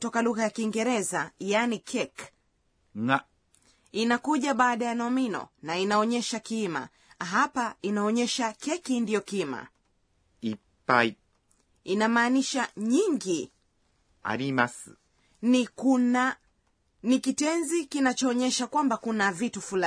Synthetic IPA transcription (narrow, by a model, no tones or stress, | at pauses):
tɔkaluɣajakiːŋɡɛɾɛzajanikʰɛk | ŋa | inakuʄaɓaːɗajanɔminɔ̰nainaɔɲɛʃakima̰ | ɦapainaɔɲɛʃakɛkindijɔkima̰ | i | pai | inamaːniʃaɲiŋɡi | a̰ɾimas | niua | nikitɛnzikinat͡ʃɔːɲɛʃakwambakunavitufula